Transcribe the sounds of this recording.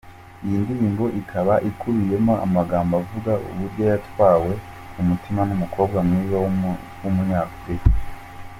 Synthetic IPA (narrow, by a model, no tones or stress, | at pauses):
ijiːndiɾiːŋɡo̞ʔikʰaβaʔikuβije̞moʔa̰maɡaːmbavuɡaʔṵβuɾɟo̞jatwaːwe̞ | umutimanumukʰo̞ːbɡamŋiːβa | wumuɲaːfuɾika